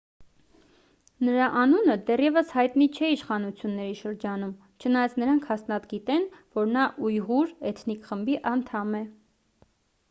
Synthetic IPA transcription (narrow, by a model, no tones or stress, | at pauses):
nəɾɑʔɑnunəd̪ɛrjɛvəshɑjt̪nit͡ʃʰɛiʃχɑnut͡sʰjunːɛɾiʃəɾd͡ʒɑnum | t͡ʃʰənɑjɑt͡snəɾɑŋkʰhɑsnɑt̪ɡit̪ɛnvɔɾnɑʔujʁuɾɛt̪ʰnikχəmbiʔɑnt̪ʰɑmɛ